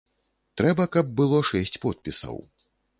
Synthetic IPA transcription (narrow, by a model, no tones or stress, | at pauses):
t̪ɾɛbɐkɐb̚ːɨlˠɔʂɛsʲt͡sʲpɔt̪̚pʲisɐ̰w